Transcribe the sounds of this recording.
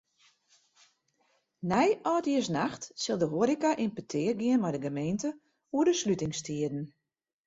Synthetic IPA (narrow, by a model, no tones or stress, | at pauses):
nɛjɔːtiəsnaxtsɪlˠdəɦoəɾikaʔɪmpətʰɪːərɡiənmɛjdəɡəmeːntə | uədəslytɪŋstiədn̩